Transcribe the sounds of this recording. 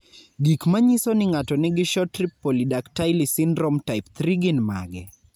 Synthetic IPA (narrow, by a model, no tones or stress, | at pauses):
ɡikmaɲisɔnɪŋatɔnɪɡɪʃɔtripːolidaktajlɪsɪnɾɔmtaɪpt̪ɾiɡɪnma̰ɡɛ